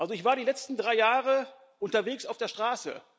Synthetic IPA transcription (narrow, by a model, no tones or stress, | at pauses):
ʔalzoɪçv̥aːɐɾiːlɛt͡stn̩dʁaɪjaːʁə | ʔʊntɐveːksaʊfd̥eːɐʃtʁ̥aːsə̰